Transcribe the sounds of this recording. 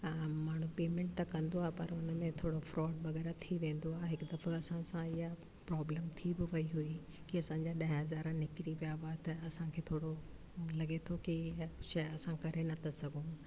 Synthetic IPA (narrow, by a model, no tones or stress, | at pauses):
maːɳ̤̃ũpeːmẽɳʈ̚t̪ɐkɐ̃nd̪oaːɦepɐɾʊnəmẽt̪ʰoːɽofɾɔːɖ̚bɐɣɛːɾat̪ʰiʋẽːn̆d̪oaːɦeɦɪkd̪ɐfɐsãsãɪɦa | pɾɔːbləmt̪ʰibɪʋɐiɦui | kiɐsãːɲ̆d͡ʑaɗɐɦɦɐzaːɾnɪkɾiʋijaʋaːt̪ɐɐsãkʰeːt̪ʰoːɽo | lɐɠet̪ʰokiʃɐɐsãkɐɾenɐt̪ʰɐsɐɡʱũ